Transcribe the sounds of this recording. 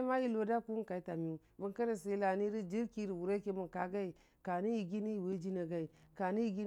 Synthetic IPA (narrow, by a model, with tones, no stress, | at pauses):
ma˦ji˦lo˨da˦ku˦u˦ka˨i˦ta˨mi˦bu˦ŋka˦ɾa˨se˦i˦la˨ni˦ɾi˦d͡ʒi˦ɾki˦ɾi˨wu˨ɾa˦ke˦mu˨nka˨ɡa˦i˨ | ka˨ni˦ji˨ɡi˦ni˦ji˨we˦d͡ʒi˦na˨ɡa˦i˨ka˨ni˦ji˨ɡi˦